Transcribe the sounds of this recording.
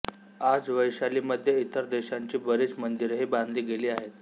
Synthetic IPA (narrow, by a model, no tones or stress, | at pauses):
ad͡zʋəjɕaliːməd̪ʱjeit̪əɾd̪eɕaɲt͡ɕiːbəɾiːt͡smənd̪iɾɦeband̪liːɡeliːaɦet̪